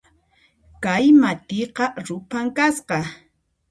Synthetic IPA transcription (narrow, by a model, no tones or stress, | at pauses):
kajmat̪ɪqɑɾʊpaŋkasqɑ